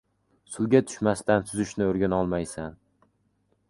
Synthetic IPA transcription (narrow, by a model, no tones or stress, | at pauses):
sʊlˠɡʲat̪ʰʊ̥ʃmast̪ant̪ʰʊzɪʃnɪoɾɡʲanɒlˠmajsan